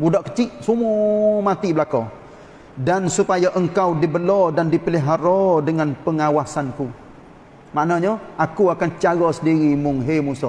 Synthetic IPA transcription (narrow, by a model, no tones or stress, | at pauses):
budaʔkət͡ʃiʔsumumat̪ibəlakɔ | dansupajaʔəŋkawdibəlɔdandipəliɦaɾɔdəŋanpəŋawasanku | maʔnaɲəakuakant͡ʃaɡɔsədiɾimʊŋɦemusɔ